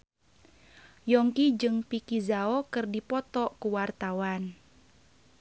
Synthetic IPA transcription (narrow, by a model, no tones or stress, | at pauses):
jɔŋkid͡ʒɨŋpikizaɔkɨrdipɔt̪ɔkuwart̪awan